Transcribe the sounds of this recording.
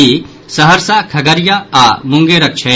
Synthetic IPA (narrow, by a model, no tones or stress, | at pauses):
i | sɐɦəɾsakʰɐɡɐɾjaamʊ̃ŋɡeɾɐk̚t͡ʃʰɐ